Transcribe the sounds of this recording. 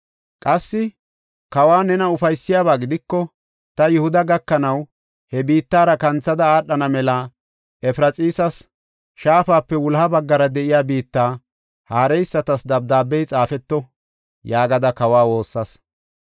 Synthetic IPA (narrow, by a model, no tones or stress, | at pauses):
kʼɐsːɪ | kɐwaːnɛnɐʊfɐjsːɪjaːβaːɡɪd̪ɪkːɔ | t̪ɐjʊhʊd̪ɐɡɐkːɐnɐw | hɛbiːt̪ːaːɾɐkɐnt͡sːɐd̪ɐaːɗːɐnɐmɛla | ʔɛfɪɾɐt͡sʼiːsɐs | ʃaːfaːpːɛwʊlhɐbɐɡːɐɾɐd̪ɛʔɪjaːbiːt̪ːaː | haːɾɛjsːɐt̪ɐsd̪ɐb̚d̪aːbːɛjt͡sʼaːfɛt̪ːɔ | jaːɡɐd̪ɐkɐwaːwo̞ːsːɐs